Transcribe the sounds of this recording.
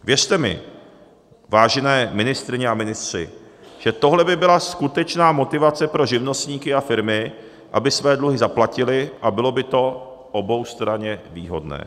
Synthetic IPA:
vjɛrt̪ɛmɪ̰ | vaːʒɛnɛːmɪnɪst̪ɾɪɲɛamɪnɪst̪r̝̥ɪ̰ʒ̥ɛt̪o̞ɦlɛbɪbɪlaskut̪ɛt͡ʃnaːmo̞t̪ɪvat͡sɛpɾo̞ʒɪvno̞st̪ɲiːkɪafɪɾmɪ | ʔa̰bɪsvɛːdluɦɪzaplacɪlɪʔabɪlo̞bɪt̪o̞ | ʔo̞bo̞wst̪ɾaɲɛvḭːɦo̞̰dnɛ̰ː

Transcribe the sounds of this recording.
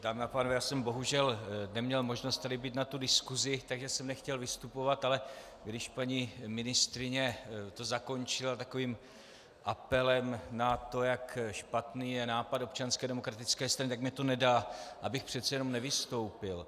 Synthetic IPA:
daːmɪapaːnovɛjaːsɛmbo̞ɦuʒɛlnɛmɲɛlmo̞ʒnost̪t̪adɪbiːt̪nat̪udɪskuzɪt̪aɡʒɛsɛmnɛxcɛlvɪst̪upo̞vat̪alɛ | ɡdɪʃpaɲimɪnɪst̪ɾɪɲɛt̪o̞zako̞nt͡ʃɪlat̪ako̞viːm | ʔapɛlɛmnat̪o̞jakʃpat̪niːjɛnaːpado̞p̚t͡ʃanskɛːdɛmo̞kɾat̪ɪt͡skɛːst̪ɾanɪt̪ak̚mɲɛt̪o̞nɛdaːʔabɪxpr̝̥ɛt̪t͡sɛjɛnomnɛvɪst̪o̞wpɪl

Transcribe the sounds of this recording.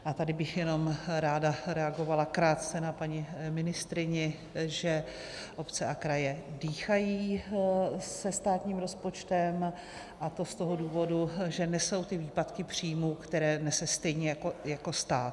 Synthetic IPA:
ʔat̪adɪbɪxjɛno̞mɾaːdaɾɛaɡo̞valakɾaːt̪t͡sɛnapaɲɪmɪnɪst̪ɾɪɲɪ | ʒɛ | ʔo̞pt͡sɛakɾajɛdiːxajiː | sɛst̪aːt̪ɲiːmɾo̞spo̞t͡ʃt̪ɛm | ʔat̪o̞st̪o̞ɦo̞duːvo̞duʒɛnɛso̞wt̪ɪviːpat̪kɪpr̝̥iːjmuːkt̪ɛɾɛːnɛsɛst̪ɛjɲɛjakojako̞st̪aːt̪

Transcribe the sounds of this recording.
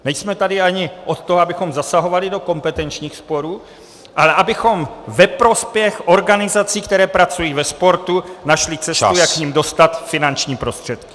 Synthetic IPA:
nɛjsmɛt̪adɪaɲɪʔo̞t̪t̪ːoɦoabɪxo̞mzasaɦo̞valɪdo̞ko̞mpɛt̪ɛnt͡ʃɲiːxspo̞ɾuː | ʔalɛʔabɪxo̞mvɛpɾo̞spjɛxʔo̞ɾɡanɪzat͡siːkt̪ɛɾɛːpɾat͡sujiːvɛspo̞ɾt̪unaʃlɪt͡sɛst̪ujakkɲimdo̞st̪at̪fɪnant͡ʃɲiːpɾo̞st̪r̝̥ɛt̪kɪ̥

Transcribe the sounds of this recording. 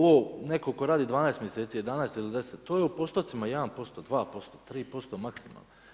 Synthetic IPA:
ʋoːnekoko̞ɾaːd̪id̪ʋaːnaest̪mjese̞ːt̪sije̞d̪anaest̪ilid̪e̞set̪ːoːjeupo̞st̪ot̪simajed̪anpo̞st̪od̪ʋaːpo̞st̪ot̪ɾiːpo̞st̪omaksima̰lno

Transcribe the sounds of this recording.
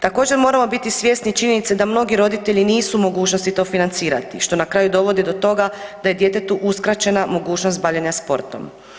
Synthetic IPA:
t̪ako̞ːd͡ʑeɾmoɾamo̞bit̪isʋje̞snit͡ʃiɲe̞nit̪sed̪amno̞ɡiɾo̞d̪it̪e̞ʎiniːsumo̞ɡuːt͡ʃno̞st̪it̪o̞ːfinant̪siːɾa̰t̪ḭʃt̪o̞nakɾaːjud̪o̞ʋo̞d̪id̪o̞t̪o̞ɡad̪aje̞d̪je̞t̪e̞t̪uʔuskɾat͡ɕenamo̞ɡuːt͡ʃnost̪baʋʎeɲaspo̞̰ɾt̪o̞̰m

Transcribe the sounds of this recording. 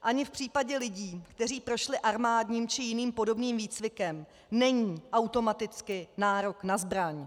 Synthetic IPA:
ʔaɲɪfpr̥iːpaɟɛlɪɟiːkt̪ɛriːpɾo̞ʃlɪʔaɾmaːdɲiːmt͡ʃɪjɪniːmpo̞do̞bniːmviːt͡svɪkɛm | nɛɲiːʔawt̪o̞mat̪ɪt͡skɪnaːɾo̞knazbɾaɲ

